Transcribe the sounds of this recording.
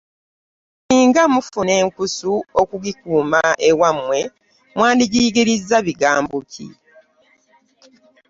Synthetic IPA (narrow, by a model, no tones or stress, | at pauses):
niːŋɡamufuneːŋkusuokuɡikuːmaʔewamwe̞ | mwaːndiɡiɡiɾizːaβiɡaːmbucḭ